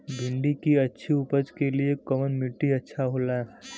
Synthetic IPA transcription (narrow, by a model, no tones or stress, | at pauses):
bʱɪɳɖikiɐtːʃʰiʊpəd͡ʒkeliekɔmənmɪlʈiɐtːʃʰaɦoːlaɛ